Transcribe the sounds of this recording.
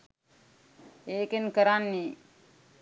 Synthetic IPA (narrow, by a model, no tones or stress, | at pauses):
eːkenkəɾanːi